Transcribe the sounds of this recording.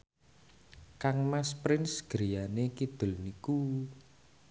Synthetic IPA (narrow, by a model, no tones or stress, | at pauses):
kaŋmaspɾɪnsɡ̥ɾijanekid̪̥ʊ̤lniku